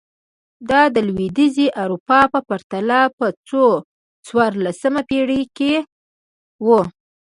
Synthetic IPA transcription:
d̪ɑd̪əlwid̪iziʔawɾupɑpəpaɾt̪alapət͡so | t͡swɑɾlasəmapeɽike | wu

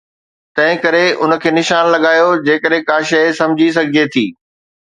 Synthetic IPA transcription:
t̪ɐ̃ɦɪ̃kɐɾeʔʊnə̆kʰeːnɪʃaːnlɐɠaːjod͡ʑeːkəɗɦɪ̃kaːʃɐsɐ̃md͡ʑʱis̬ɐɡʱijet̪ʰiː

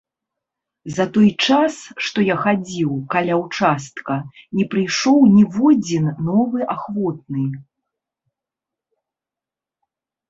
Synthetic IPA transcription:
zɐt̪ɔjt͡ʂasʂt̪ɔjaxad͡zʲiwkalʲawt͡ʂast̪kɐnʲɛpɾɨjʂɔwnʲivɔd͡zʲinːɔvɨʔaxvɔt̪̚nɨ

